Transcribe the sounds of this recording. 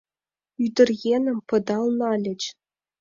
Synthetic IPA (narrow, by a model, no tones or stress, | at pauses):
yd̪ɘ̆rjenʲɘ̆mpɤ̆d̪ɑlˠnɑlʲɘ̆t͡ɕ